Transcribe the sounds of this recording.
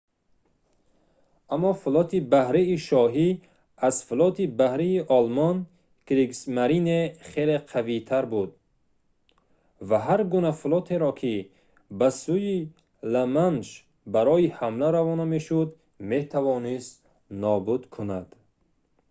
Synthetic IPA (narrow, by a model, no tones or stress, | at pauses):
amːɔfulɔt̪ʰibahɾiːʃɔɦi | azfulɔt̪ʰibahɾiːʔɔlmɔn | kɾiɡsmaɾineχeleqʰavit̪ʰaɾbud̪̚ | vaɦaɾɡunafulɔt̪ʰeɾɔkʰi | basuji | lamanʃ | baɾɔihamlaɾavɔnameʃud̪ | me̞t̪ʰavɔnist̪ | nɔbud̪kʰunad̪̥